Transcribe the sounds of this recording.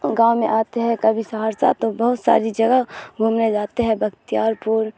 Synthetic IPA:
ɡãːwmẽʔaːt̪eɦɛ̃kɐbʱisaɦaːɾsa̰t̪obɐɦʊt̪sa̰ːɾid͡ʒɐɡəɦbʱumned͡ʒaːt̪eɦɛ̃bʱɐɡt̪ijaːɾpuːɾ

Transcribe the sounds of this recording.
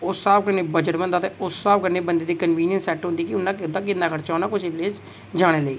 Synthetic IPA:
ʊsːaːbkəɾneːbəd͡ʒəʈbə̃nd̪aːt̪ẽːʊsːaːbkəɾneːbənd̪eːd̪iːkənʋiːnɪjənsɛːʈɦʊ̃nd̪iːkɪʊnːãːkɪd̪ãːk̬ɪnd̪aːkʰəɾt͡ʃaːnãːkʊʃiːpleːd͡ʒ | d͡ʒaːɽ̃eːləḭː

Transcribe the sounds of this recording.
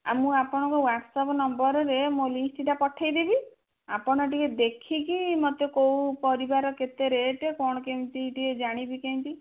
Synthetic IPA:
a̰mũapɔɽ̃ɔ̃ŋkɔwaʈsɔpɔnɔmbɔɾɔɾemolisʈiʈapɔʈʰajd̪ebi | apɔɽ̃ɔʈiked̪ekʰikimɔt̪jɔkowupɔɾibaɾɔket̪eɾeʈekɔɽ̃ɔkeũt̪iːʈied͡ʒaɽ̃ibikeĩnt̪i

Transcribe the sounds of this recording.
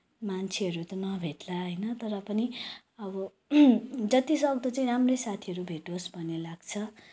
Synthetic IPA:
mant͡sʰeʌɾut̪ʌnʌbʱeʈlaɦʌjnʌt̪ʌɾʌpʌni | ʌbʌ | d͡zʌt̪isʌɡd̪ʌt͡saĩramrʌjsat̪ʰiʌɾubʱeʈosbʱʌnelaɡt͡sʰʌ

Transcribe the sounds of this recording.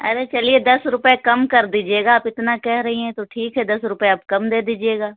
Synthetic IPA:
ɐ̰ɾet͡ʃɐlied̪ɐsɾʊpekɐmkɐɾd̪iːd͡ʒieːɡaːpɪt̪nakɛɦɾɐɦiɦɛ̃t̪oʈʰiːkɦɛd̪ɐsɾʊpeɐp̚kɐmd̪eːd̪iːd͡ʒieːɡaː

